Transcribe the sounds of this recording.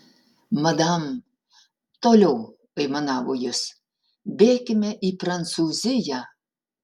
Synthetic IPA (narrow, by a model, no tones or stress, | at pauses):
mɐd̪ɑm | t̪olʲɛw | ɐjmɐnɑːʋojɪs | bʲeːkʲɪmʲɛʔipɾɐnt̪suːzʲɪjɛ